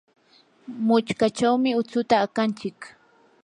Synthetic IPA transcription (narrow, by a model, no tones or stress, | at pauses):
mʊt͡ʃkat͡ʃawmɪʊt͡sʊt̪aːkant͡ʃɪk